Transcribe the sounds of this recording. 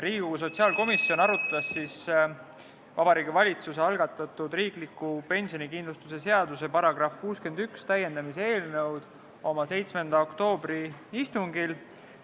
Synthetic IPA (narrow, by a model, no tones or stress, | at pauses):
ɾiːɡ̥uɡus̬o̞t̪siɑːlko̞misːio̞nɑɾut̪ːˑɑsːis | vɑbɑɾiːɡivɑlʲit̪suse̞ɑlɡ̥ɑt̪ːˑɑt̪ːud̪riːklikːˑupe̞nʲsio̞nikind̪lust̪use̞se̞ɑd̪use̞pɑɾɑɡ̥rɑfkuːske̞nd̪ykst̪æje̞nd̪̥ɑmisee̞ːlnɤwd̪̥ | o̞mɑse̞jt̪sme̞nd̪̥ɑo̞kt̪o̞ːb̥ɾiist̪uŋɡil